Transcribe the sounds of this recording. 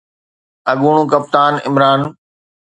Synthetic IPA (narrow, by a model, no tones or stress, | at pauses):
ɐɠuːɳ̃ũːkɐp̚t̪aːnɪ̰mɾaːn